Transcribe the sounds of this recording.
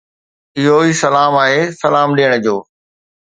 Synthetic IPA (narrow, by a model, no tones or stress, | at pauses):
ɪɦoiːsɐlaːmaːɦeːsɐlaːmɗiəɽ̃əd͡ʑoː